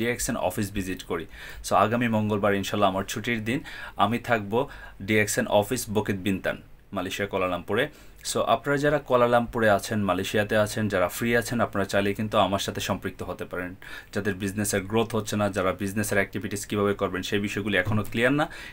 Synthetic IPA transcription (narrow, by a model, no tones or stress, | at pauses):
iɛksenɔ̰fis̬bid͡ʑiʈkoɾi | soaɡamimɔŋɡolbaɾinʃalːaamaɾt͡ɕʰuʈiɾd̪inamit̪ʰak̚boɖieksenʔɔ̰fisboket̪̚bint̪a̰n | malaʃiakɔlalampuɾe | soʔa̰pnaɾad͡ʑaɾakɔlalampuɾeat͡ɕʰenmalajʃiat̪eat͡ɕʰend͡ʑaɾafɾiat͡ɕʰenapnaɾat͡ɕalikint̪uamaɾʃat̪ʰeʃɔmpɾik̚t̪oɦot̪epaɾen | d͡ʑad̪eɾbid͡ʑneseɾɡɾot̪ʰɦotːɕʰenad͡ʑaɾabid͡ʑneseɾɛk̚ʈibʱiʈiskibʱabekɔɾbenʃejbiʃɔeɡuliɛkʰonoklijaɾːa